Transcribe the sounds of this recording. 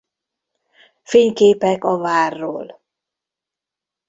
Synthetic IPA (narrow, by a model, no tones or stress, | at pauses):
feːɲkeːpɛkɒvaːrːoːl